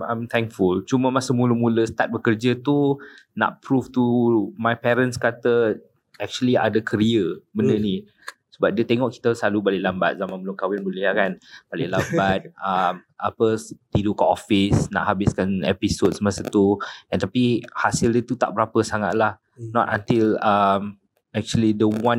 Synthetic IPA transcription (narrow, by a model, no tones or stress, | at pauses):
amt̪ʰɛŋkfult͡ʃuməmasəmulumũləsə̥t̪at̪̚bəkərd͡ʒət̪una̰ʔpɾuft̪umajpɛɾənskat̪ə | ɛk̚t͡ʃuəlia̰dakʰəɾiəbəndəni | səbap̚diət̪eŋɔʔki̥t̪əsalubalɪʔlamba̰t̪̚zamãnbəlʊŋkawɪnbuliakanb̥alɪʔlambat̪̚əm | apət̪idukaʔɔfɪsna̰ʔhabɪskanɛ̰pisod̚səmasət̪uɛnt̪apihasɪldət̪ut̪a̰ʔbəɾapəsaŋa̰t̪̚lah | nɔt̪a̰nt̪iləm | ɛk̚t͡ʃuəlidəwãn